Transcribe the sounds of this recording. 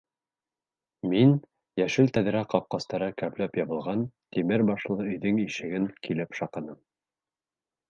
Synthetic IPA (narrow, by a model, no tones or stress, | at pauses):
min | jæʃɘlt̪æð̆ɾæqɑp̚qɑst̪ɑɾɤkæplæpjɑβɤ̆lˠʁɑnt̪imɘɾbɑʃlˠɤɵ̆jðɘŋiʃɘ̆ɡɘŋkilɘpʃɑqɤ̆nɤm